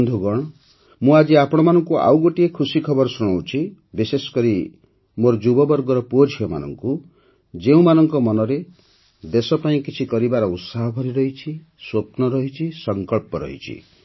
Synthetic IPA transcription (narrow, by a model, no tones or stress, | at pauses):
nd̪ʱuɡɔɽ̃ɔ | mũad͡ʒiapɔɽ̃ɔmanɔŋkua̰wɡoʈiekʰusikʰɔbɔɾɔsuɽ̃awt͡ʃʰi | bisesɔ̥kɔɾi | moɾɔd͡ʒubɔbɔɾɡɔɾɔpuod͡ʒʱjɔma̰nɔ̰ŋku | d͡ʒeũmanɔŋkɔmɔnɔɾe | d̪esɔpaĩkit͡ʃʰikɔɾibaɾɔut̪saɦɔbʱɔɾiɾɔɦit͡ʃʰi | swopnɔɾɔɦit͡ʃʰisɔŋkɔɭpɔɾɔ̰ɦḭt͡ʃʰḭ